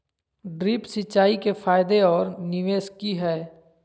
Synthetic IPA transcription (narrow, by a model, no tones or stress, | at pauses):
ɖɾiːpsɪt͡ʃːaːikefʰaːjɪd̪eɔːɾnɪʋeːskiɦɛː